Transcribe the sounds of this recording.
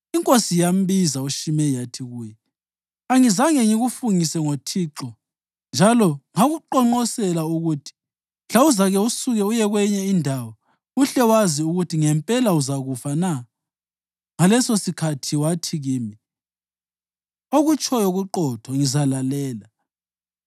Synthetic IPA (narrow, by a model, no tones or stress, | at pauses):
iŋkʼosijam̩βizauʃimɛjatʰiɣuːjɛ | aŋizaŋeŋiɣufuŋisɛŋotʰiːǁɔ | nd͡ʒʱalɔŋaɣuǃɔŋ͡ǃɔsɛlauɣutʰi̥ | ɬauzaɣɛusuɣɛujɛɣwɛɲɛindʱawɔ | uɬɛwaziuɣutʰiŋɛmpʼɛlauzaɣufana | ŋalɛsosikʰatʰiwatʰiɣiːmi | oɣut͡ʃʼʰɔjoɣuǃɔtʰɔŋizalalɛːla